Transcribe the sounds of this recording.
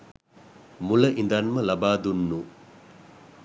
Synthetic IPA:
mulɐʔind̪ɐnmɐlɐbaːd̪unːu

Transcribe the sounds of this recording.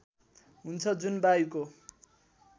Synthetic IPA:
ɦunt͡sʰʌd͡zunbaiko

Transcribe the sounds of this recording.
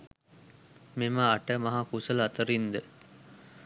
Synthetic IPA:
memaːʈəmɐɦakusɐlɐt̪əɾind̪ə

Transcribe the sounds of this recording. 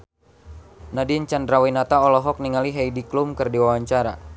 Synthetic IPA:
nadiɲt͡ʃandɾawinat̪aɔlɔɦɔk̚niŋaliɦɛjdiklumkɨrdiwawaɲt͡ʃaɾa

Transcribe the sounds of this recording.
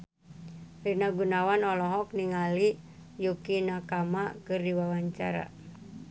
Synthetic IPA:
rinaɡunawanɔlɔɦɔk̚niŋali | jukinakamakɨrdiwawaɲt͡ʃa̰ɾa̰

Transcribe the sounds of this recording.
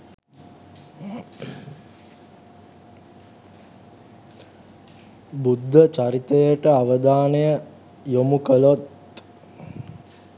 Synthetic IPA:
bud̪ʱːət͡ʃaɾit̪əjəʈəaʋəd̪aːnəjə | jomukəlot̪

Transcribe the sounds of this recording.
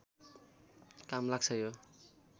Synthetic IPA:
kamlaɡ̚sʰʌjo

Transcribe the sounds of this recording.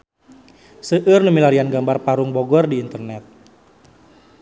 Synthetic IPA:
səʔɨrnəmilaɾianɡambarpaɾuŋbɔɡɔrdiːnt̪ərnɛt̪̚

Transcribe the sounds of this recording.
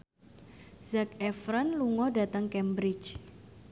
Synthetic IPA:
z̥akɛfɾanluŋɔda̤t̪əŋkɛmbɾɪt͡ʃ

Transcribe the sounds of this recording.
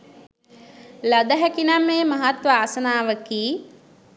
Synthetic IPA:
lad̪əɦækinamːeːmɐɦat̪ʋəaːsənaːʋəkiː

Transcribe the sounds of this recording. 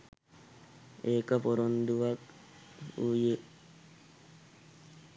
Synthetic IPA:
eːkɐpoɾond̪uʋɐk | uːje

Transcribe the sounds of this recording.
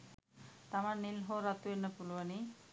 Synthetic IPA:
t̪amaɾnilɦoɾat̪uenəpuluani

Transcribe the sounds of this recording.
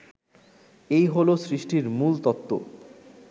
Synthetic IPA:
ejɦolosɾiʃʈiɾmult̪ɔt̪ːo̰

